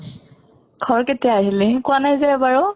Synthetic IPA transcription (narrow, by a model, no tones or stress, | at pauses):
ɡ̥ʱɔɹketijaːɦilikʊwanajzɛbaɹʊ